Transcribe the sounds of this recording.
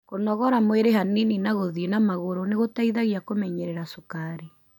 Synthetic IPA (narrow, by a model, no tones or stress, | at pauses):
konɔɣɔɾamweɾeɦanininaɣoðienamaɣoɾoneɣotaiðaɣjakomɛɲɛɾɛɾasukaɾi